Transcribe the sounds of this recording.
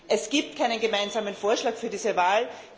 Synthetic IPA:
ʔɛsɡ̥iːp̚tkʰaɪnənɡəmaɪnzaːmənfoːɐʃlaːkfyːɐdiːzəvaːl

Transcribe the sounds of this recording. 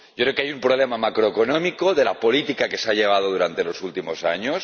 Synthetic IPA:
jɟ͡ʝokɾeokeajumpɾo̞βle̞mamakɾoeko̞no̞mikoðe̞lapo̞lit̪ikake̞seaʎe̞β̞að̞oð̞uɾant̪e̞lo̞sult̪imo̞sa̰ɲos

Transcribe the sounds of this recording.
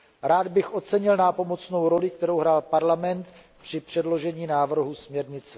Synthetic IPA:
ɾaːd̪bɪxʔo̞t͡sɛɲɪlnapo̞mo̞t͡sno̞wɾo̞lɪkt̪ɛɾo̞wɦɾaːlpaɾlamɛnt̪ | pr̥ɪpr̝̥ɛdlo̞ʒɛɲiːnaːvr̩ɦusmɲɛɾɲɪt͡sɛ

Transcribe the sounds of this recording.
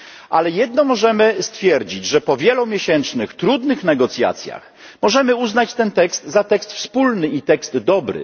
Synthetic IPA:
ʔalɛjɛd̪nɔmɔʐɛmɘst̪fʲjɛɾd͡ʑid͡ʑʐɛpɔvʲjɛlumʲjeɕɛnt͡ʂnɘxt̪ɾud̪nɘxnɛɡɔt̪sʲja̰t̪sʲja̰x | mɔʐɛmɘuznat͡ɕt̪ɛnt̪ɛkst̪zat̪ɛkst̪fspulnɘit̪ɛkst̪ːɔbɾɘ̰

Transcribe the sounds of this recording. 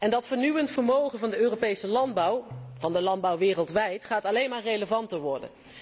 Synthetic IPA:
ɛndɑtfəɹnyʋəntfəɹmowχənvɑndəøːropejsəlɑnbwv̥ɑndəlɑnd̚bɑwʋɪːrəlˠtʋɛjtχaːtɑlejnmaːɹrejləvɑntəɹʋɔɹdə̰n

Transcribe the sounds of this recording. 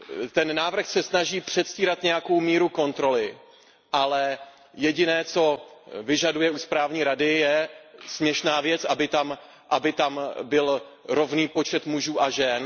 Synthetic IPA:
t̪ɛnːaːvr̩xsɛsnaʒiːpr̝̥ɛt̪sciːɾat̪ɲɛjako̞wmiːɾuko̞nt̪ɾo̞lɪ | ʔalɛ | jɛɟɪnɛːt͡so̞vɪʒadujɛʔuspɾaːvɲiːɾadɪjɛsmɲɛʃnaːvjɛt͡sʔabɪt̪am | ʔabɪt̪ambɪlɾo̞vniːpo̞t͡ʃɛt̪muʒuːʔaʒɛn

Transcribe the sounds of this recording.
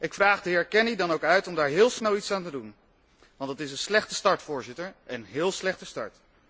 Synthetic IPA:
ɪkfraːχdəɦɪːɹkɛnidɑnowkœɥtɔmdaːɹɦɪːlˠsnɛlˠitsaːntədun | ʋɑntdɑtɪsənslɛχtə̥stɑɹtfʊːɹzɪtəɹʔɛnɦɪːlˠslɛχtəstɑ̰ɹt

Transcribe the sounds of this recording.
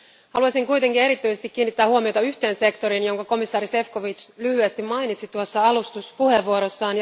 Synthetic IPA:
hɑluɑsiŋkujt̪e̞ŋkine̞ɾit̪ːyjsest̪ik̟ːiːnːit̪ːæːhuomiot̪ɑyçt̪e̞ːnse̞kt̪o̞ɾinjo̞ŋkɑko̞misːɑːɾise̞fko̞ʋit͡ʃlyhyæst̪immɑjnit̪sit̪uosːɑɑlust̪uspuhe̞ʋuoɾo̞sːɑːnj

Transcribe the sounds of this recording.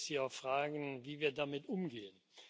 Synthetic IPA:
siːaʊxfʁ̥aːɡn̩viːviːɐdamɪtʔʊmɡeːən

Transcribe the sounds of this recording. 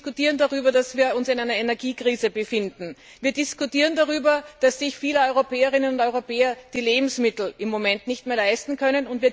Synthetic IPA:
kʊtiːʁəndaʁyːbɐdasv̥iːɐʊnsɪnæɪnɐenɛɐɡiːkʁ̥iːzəbəfɪndn̩ | viːɐdɪskʊtiːʁəndaʁyːbɐd̥asːɪçfiːləɔʏʁopɛːəʁɪnənʊndɔʏʁopɛːɐd̥iːleːbm̩smɪtl̩ʔɪmːomɛntnɪçtmeːɐlaɪstn̩kʰœnənʊntviː

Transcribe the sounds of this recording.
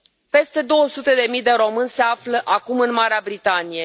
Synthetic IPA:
pe̞st̪e̞d̪o̞wəsut̪e̞d̪e̞mijd̪e̞ɾo̞mɨnʲse̞afləʔakumɨnmaɾeabɾit̪anije̞

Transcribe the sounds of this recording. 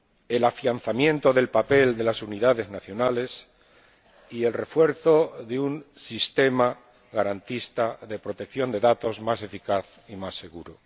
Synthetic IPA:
e̞lafjanθamjẽ̞nt̪o̞ðe̞lpape̞ld̪e̞lasuniðaðe̞znaθjo̞nale̞s | ie̞lre̞fwe̞ɾθo̞ðeunsist̪e̞ma | ɣaɾant̪ist̪aðe̞pɾo̞t̪e̞k̚θjo̞nd̪e̞ðat̪o̞zmase̞fikaθ | imasːe̞ɣuɾo

